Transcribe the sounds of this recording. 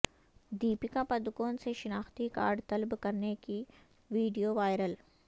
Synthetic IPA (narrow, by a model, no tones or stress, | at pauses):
d̪iːpɪkapɐd̪koːnseʃɪnaːxt̪ika̰ːɾɖt̪ɐlbkɐɾneki | ʋiːɖijoːʋaːjɾəl